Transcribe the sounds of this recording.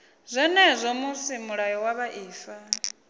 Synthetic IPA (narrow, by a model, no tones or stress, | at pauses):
zʷɛnɛzʷɔmusimuɺajɔwaβaʔiːfa